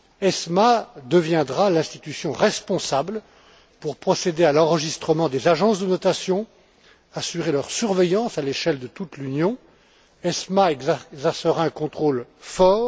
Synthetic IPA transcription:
ɛsmad̪əvjɛ̃d̪ʁalɛ̃st̪i̥t̪ysjɔ̃ʁɛspɔ̃sabl | puʁpχɔsed̪ealɑ̃ʁəʒist̪χəmɑ̃d̪ezaʒɑ̃sd̪ənɔt̪asjɔ̃ | asyʁelœʁsyʁvejɑ̃saleʃɛld̪ət̪ut̪lynjɔ̃ | ɛsmaɛɡzɛʁsəʁaɛ̃kɔ̃t̪χolfɔːʁ

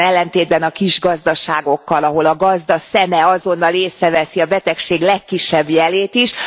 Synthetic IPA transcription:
ɛlːɛnt̪eːd̪̚bɛnɒkiʒɡɒzd̪ɒʃaːɡo̞kːɒlɒɦo̞lɒɡɒzd̪ɒsɛmɛɒzo̞nːɒleːsɾɛvɛsiɒbɛt̪ɛkʃeːɡlɛkːiʃːɛbjɛleːt̪iʃ

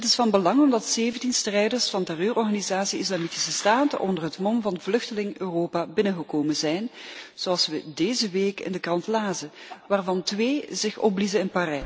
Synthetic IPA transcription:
ɦətɪsfɑnbəlɑŋɔmdɑtseːvəntinstrɛjdərsfɑntɛrøːrɔrɣaːnizaːsiɪslaːmiti̥səstaːtəʔɔ̰ndərɦətmɔmvɑnvlɵxtəlɪŋøːroːpaːbɪnəɣəkoːmənzɛjnz̥oɑlˠsʋədeːzəʋeːkɪ̰ndəkrɑntlaːzəʋaːrvɑntʋeːzɪxɔ̰plizəɪnparɛ

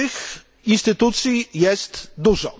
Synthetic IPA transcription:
ɘx | inst̪ɘt̪ut̪sʲjijɛst̪d̪uʐɔ̰

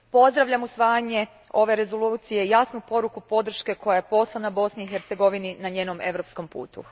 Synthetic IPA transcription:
po̞zd̪ɾaʋʎʲamusʋaːjaɲe̞ | o̞ʋe̞ɾe̞zo̞lˠuːt̪sije̞jasnupo̞ɾukupo̞d̪r̩ʃke̞ko̞jajepo̞slˠanabo̞sniixeɾt̪se̞ɡo̞ʋininaɲe̞ːno̞me̞̰ʋɾo̞psko̞mpṵːt̪ṵ

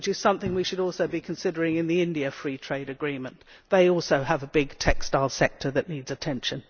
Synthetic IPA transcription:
ɨt͡ʃɨz̥sʌ̃mθɪ̃ŋwiʃɨɾɔlˠsoʊbikʰɨ̃nsɪɾə˞ɪ̃ŋɨ̃nðiɪ̃ndiɨfɹitʰɹ̥eɪɾɨɡɹĩmɨ̃nðeɪɔlˠsoʊəvəbɪɡ̚tʰɛkstaɪlˠsɛk̚tʰə˞ðɨʔⁿnidzɨtʰɛ̃nʃɨ̃n

